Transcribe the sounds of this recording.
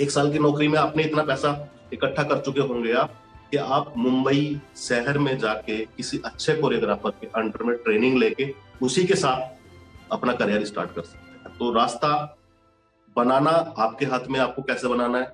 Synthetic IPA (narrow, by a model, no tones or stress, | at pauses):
eːksaːlk̬inɔːkɾimẽːaːpneɪt̪napɛːsa | ɪkəʈʰːakɐɾt͡ʃʊkeɦõːɡɐja | kiaːp̚mʊ̃mbəiʃɛɦəɾmẽd͡ʒaːkekɪsiʔɐtːʃʰekoːɾeɡɾaːfəɾkeʔɐ̃ɳʈəɾmẽʈɾeːnɪ̃ŋɡleːkeʊsikesaːt̪̚ʰɐpnakɐɾjaːɾiɪsʈa̰ːɾʈkɐɾsɐ̥k̪̚t̪eɦɛ̃t̪oːɾaːst̪a | bɐnaːnaaːp̚keɦaːt̪ʰmẽaːp̚kokɛːsebɐnaːnaɦɛː